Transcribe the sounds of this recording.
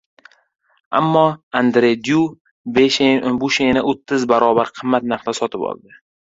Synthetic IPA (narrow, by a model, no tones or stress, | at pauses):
a̰mːɒand̪ɾed̪ju | beʃbuʃenaot̪ʰːɪzbaɾɒbaɾqʰɨmːat̪̚naqt̪asɒt̪ʰɪbɒ̰lˠd̪ɪ